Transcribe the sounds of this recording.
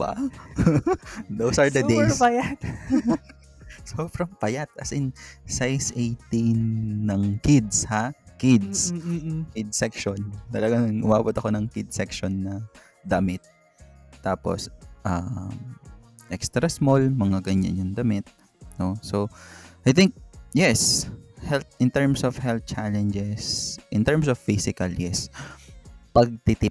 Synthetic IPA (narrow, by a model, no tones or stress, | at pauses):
ba̰ | d̪owsɐɹd̪ɐd̪ejspajat̪ | sofɾɐmpɐjat̪̚ɐ̰sɪnsajsʔejt̪inːɐŋkɪd̪shakɪd̪̚skɪd̪̚sɛkʃont̪ɐlɐɡaŋŋʔʊmaːbɐt̪ɐko̞nɐŋkid̪̚sɛkʃonːɐ | d̪ɐmɪt̪̚ː | aːpo̰sʔɐ | ʔɛkst̪ɾɐsmolmɐŋaɡɐɲːa̰nʊŋd̪ɐmɪt̪̚ | nosoʔɐjθɪŋk̚jɛshɛlt̪̚ʔɪnt̪ɛɹmsɔvhɛlt̪̚t͡ʃalɛnd͡ʒɛsʔɪnt̪ɛɹmsɔv̥fisɪkɐljɛs | pɐɡ̚t̪ɪt̪ɪp̚